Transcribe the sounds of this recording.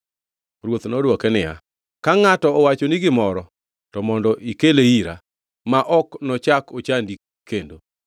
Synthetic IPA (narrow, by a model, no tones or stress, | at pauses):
ɾwot̪nɔdwɔkɛnɪja̰ | kaŋatɔːwat͡ʃoniɡɪmɔɾɔ | tɔmɔndɔʔikeleiɾa̰ | maʔɔknɔt͡ʃakot͡ʃandi | kːendo